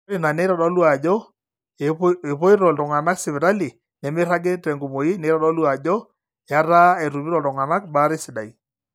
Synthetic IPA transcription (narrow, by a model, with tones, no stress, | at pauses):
ɾi˦˨na˨ne˦ɾa˨dɔ˦lwa˨d͡ʒɔ˦ | e˨e˨po˦ɪ˦ɾɔ˨ltɔ˨ŋa˨na˦ksɪ˨βɪ˨ɾa˦li˨ | nɛ˨mɪ˦ɾa˦ɡe˦tɛ˨ŋɡu˨mo˨ji˦ne˨˦ɾa˦dɔ˦lu˦a˨d͡ʒɔ˦ | ja˦ɾa˦ɛ˨tu˨bi˦ɾɔ˨ltɔ˨ŋa˨na˦kba˦ɾɪ˦sɪ˨da˨i˨